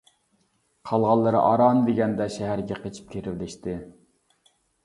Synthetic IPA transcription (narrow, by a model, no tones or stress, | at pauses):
qʰɑlˠʁɑlˠːɨɾɨ̰ʔɑɾɑːnɨd̪eɡʲɛnd̪ɛʃɛɦæɾɡʲɛqʰet͡ʃʰi̥p̚kʲʰeɾɪvlɪʃt̪ɪ